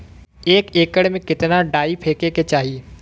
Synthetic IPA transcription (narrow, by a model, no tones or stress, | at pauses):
eːkeːkəɽmẽkɪt̪naɖaːipʰeːkeːket͡ʃaːɦie